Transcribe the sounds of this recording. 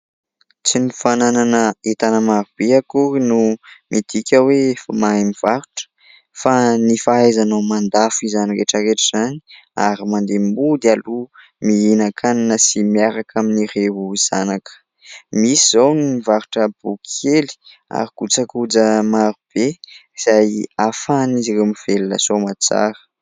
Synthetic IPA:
t͡sinifanananəet̪anəmaɾub̥eakuɾinumit̪ikʲəweefəmaamiv̥aɾuʈ͡ʂə̥ | fanifaajzanomand̪afizanireʈ͡ʂəɾeʈ͡ʂəz̥ani̥aɾimand̪embud̪ialu | miinakʰananəsimiaɾakʰaminireɦuiz̥a̰nakə̥ | misizawninivaɾuʈ͡ʂəbukʰeli̥ | a̰ɾikut͡sakud͡zəmaɾub̥eiz̥ajafaniziremiv̥eluna̰somat͡sa̰ɾə̥

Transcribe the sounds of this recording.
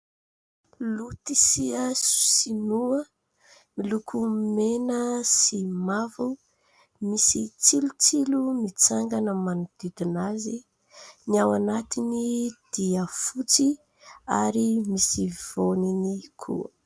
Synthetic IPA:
lut̪isiəsu̥sinuə | milukʰumenəsimavu | misit͡silut͡silumit͡saŋɡanəmanud̪̥id̪inazi | niawanat̪inid̪̥iəfut͡si | aɾimisiv̥oninikʰṵə̰

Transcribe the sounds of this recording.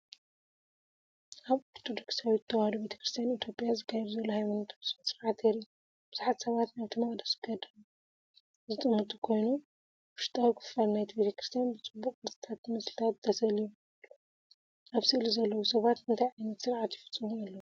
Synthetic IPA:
ʔaβoɾt̪ʰod̪oksawit̪t̪ʰːɐwhad̪obe̞t̪ʰɐ̥kɾist̪ʰijanit̪ʰjo̞pʼjazɨkʰːajɛɾzɐluhajmanɐt̪ʰɐssɨɾʕat̪eɾi | b̥ɨz̥uħat̪sɐβat̪najt̪ʰɨmɐkʼd̪ɐsɡɐd̪ɐmu | zɨt̪ʼɨmːɨt̪ʼukʰo̞jnu | wɨʃt̪ʼawukʰɨ̥falnajt̪ʰibe̞t̪ʰɐkɾi̥st̪ʰjanbɨt͡sʼɨbːukʼkʰɨɾt̪ʰi̥t̪ʰat̪ːmɨslɨt̪ʰat̪̚d̪ʰɐsɐliju | ʔaβsɨʔlizɐlːɐwusɐβat̪ɨnt̪ʰajʕajnɐt̪sɨɾʕat̪jɪfɨ̥t͡sʼːɨmuɐlːɐwu

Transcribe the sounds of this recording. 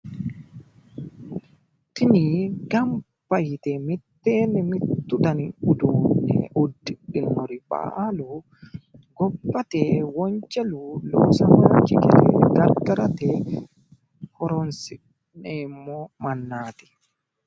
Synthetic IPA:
tiniɡam | pajtɛmitːɛːnɛmitːudaniudunɗɛ̰ʔodːiɗinːɔɾiba̰lu | ɡɔpːatɛwɔɲt͡ʃelulɔsamaːd͡ʒḭkɛlɛ̰ɡaɾɡaɾatɛ | hɔɾɔnsi | nɛmɔmanːaːtɛ̥

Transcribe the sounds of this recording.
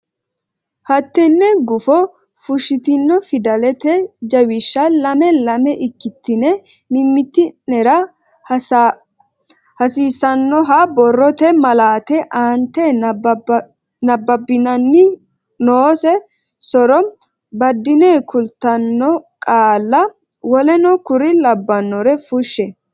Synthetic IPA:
hɐt̪ːɛnːɛɡʊfɔ | fʊʃːɪt̪ɪnːɔfɪd̪ɐlɛt̪ɛd͡ʒɐwɪʃːɐlɐmɛlɐmɛʔɪkːɪt̪ːɪnɛ | mɪmːɪt̪ːɪnɛɾɐ | hɐsiːsɐnːɔɦɐbɔrːɔt̪ɛmɐlaːt̪ɛʔaːnt̪ːɛ | nɐbːɐbːɪnɐnːɪ | noːsɛ | sɔɾɔ | bɐd̪ːɪneːkʰʊlt̪ːɐnːɔkʼaːlːɐ | wɔlɛnɔkʊɾɪlɐbːɐnːɔɾɛfʊʃːɛ

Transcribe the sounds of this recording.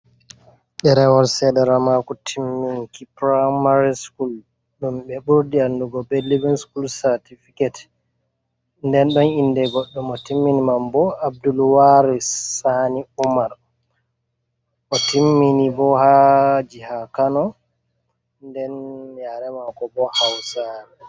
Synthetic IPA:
ɗɛɾɛwɔlsɛdɛɾamakɔtʰimːiŋkipɾamaɾiskul | ɗumɓɛɓuɾdianduɡɔbelːivɛnskulsaɾtifikɛt | ndɛnɗɔnindɛɡɔɗːumɔtimːinimambɔab̚dulwaɾisaniumaɾ | ʔɔtʰimːinibɔhad͡ʒihakanɔ | ndɛnjaɾɛmakɔbɔhawsaɾɛ

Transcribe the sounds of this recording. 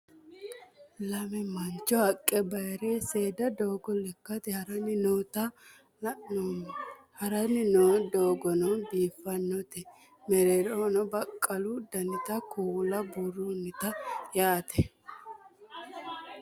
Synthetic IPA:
lɐmɛmɐnt͡ʃːɔhɐkʼːɛbɐjɾeːseːd̪ɐd̪oːɡɔlɛkːɐt̪ɪhɐɾɐnɪnoːt̪ɐ | hɐɾɐnɪnoːd̪oːɡɔnɔbiːfːɐnːɔt̪ɛ | mɛɾɛɾoːnɔbɐkʼːɐlʊd̪ɐnɪt̪ɐkuːlɐburunɪt̪ɐjaːt̪ɛ

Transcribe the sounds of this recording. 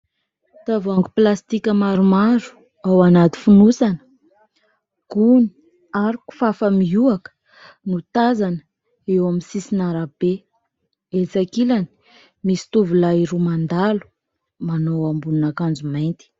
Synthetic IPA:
t̪avaŋɡuplast̪ikʲəmaɾumaɾu̥ | awanat̪i̥funusanə̥ | ɡ̥uni̥ | aɾiku̥fafəmiuakə̥ | nut̪azanə̥ | ewamisisinaɾab̥e | elt͡sakilani̥ | misi̥t̪uvulaiɾumand̪alu̥ | manowambununakand͡zumajnt̪i̥

